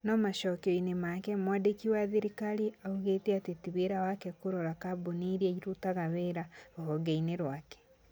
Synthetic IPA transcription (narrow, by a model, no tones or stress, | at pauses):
nɔmaʃɔkeɔinemakɛmwaːdekiwaðiɾikaɾiauɣeteatetiβeɾawakɛkoɾɔɾakaboniɾiɛɾutaɣaβeɾaohɔɡeineɾwakɛ̥